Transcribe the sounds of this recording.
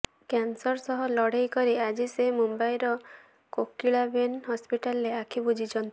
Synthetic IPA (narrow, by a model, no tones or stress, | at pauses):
kansɔɾsɔɦɔlɔɽ̤ejkɔɾiad͡ʒisemumbajɾɔ | kokːiɭabenɦɔspiʈalɾeakʰibud͡ʒʱit͡ʃʰɔnt̪i